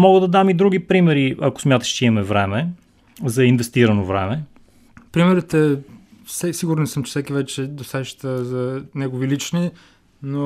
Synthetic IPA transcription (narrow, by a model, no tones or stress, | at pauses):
mɔɡəd̪ɐd̪amid̪ɾuɡ̟ipɾimɛɾiɐko̥smʲjat̪ə̥ʃt͡ʃɛimɐmɛvɾɛmɛ | zɐinvɛst̪iɾənovɾɛ̰mɛ | pɾimɛɾit̪ɛ | sɛsiɡʊɾnəsɤmt͡ʃɛ̥fsɛkivɛt͡ʃɛd̪osɛʃt̪əzɐnɛɡovilit͡ʃni | no